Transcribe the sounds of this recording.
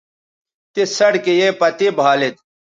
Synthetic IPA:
t̪esɐɽkejepɐt̪ibʱaːlet̪̚

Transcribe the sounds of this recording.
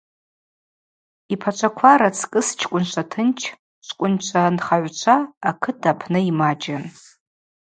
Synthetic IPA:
ipʰat͡ʃʷʰakʷʰaɾat͡sʰkʼɨst͡ʃʰkʷʼʊnt͡ʃʷʰatʰɨnt͡ʃʰ | t͡ʃʷʰkʷʼʊnt͡ʃʷʰanχaʕʷt͡ʃʷʰaːkʰɨtʰapʰnɨimad͡ʒan

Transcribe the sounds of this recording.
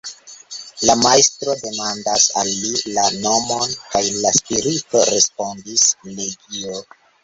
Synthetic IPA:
lamajstɾo̞de̞mandasalːilano̞mo̞nkajlaspiɾitoɾe̞spo̞ndisle̞ɡio

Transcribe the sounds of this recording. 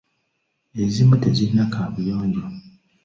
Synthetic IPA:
ezimuteɟiɾinakʰaːβujoːɲɟo

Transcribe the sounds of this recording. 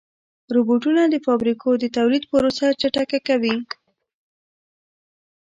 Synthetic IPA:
ɾoboʈunad̪əfɑbɾikʰod̪ət̪awlid̪̚pəɾosat͡ʃaʈakakawi

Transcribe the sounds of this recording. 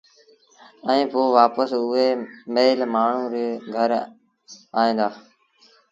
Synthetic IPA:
ɛ̃ĩːpoːʋaːpəsʊɦeːmeːlmaːɳ̤ũːɾːɡʱəɾ | aːĩːnd̪aː

